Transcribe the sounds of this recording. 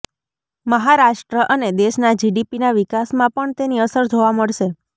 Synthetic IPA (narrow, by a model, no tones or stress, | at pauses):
məɦaɾaʃʈɾəʔəned̪eʃnad͡ʒiɖipinaʋikasmãpəɳt̪eniəsəɾd͡ʒʱoʋaməɭʃe